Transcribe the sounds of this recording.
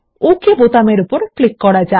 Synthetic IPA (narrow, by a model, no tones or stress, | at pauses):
okebot̪ameɾupoɾklikːɔɽad͡ʑa